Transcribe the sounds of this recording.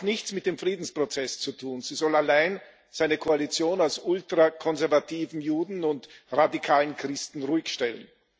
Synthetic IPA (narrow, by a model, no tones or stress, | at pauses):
nɪçt͡smɪt̚d̥eːmfʁ̥iːdn̩spʁ̥ot͡sɛst͡sutʰuːnz̥iːzɔlalaɪn | z̥aɪnəkʰoalit͡sjoːnalsʊltʁ̥akʰɔnzɛɐvatʰiːvn̩juːdn̩ʊntʁadikʰaːlənkʁ̥ɪstn̩ʁuːɪçʃtɛlə̰n